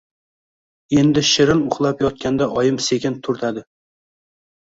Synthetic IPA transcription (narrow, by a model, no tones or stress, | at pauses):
e̞nd̪ɪʃɪɾɪnʊχlˠapjɒt̪̚kʲʰand̪aʔɒjɪmse̞kʲɪnt̪ʰʊɾt̪ʰad̪ɪ